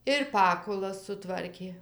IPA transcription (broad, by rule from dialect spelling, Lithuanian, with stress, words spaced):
ɪr ˈpɑːkʊlˠɐs sʊˈtʋɐrʲkʲeː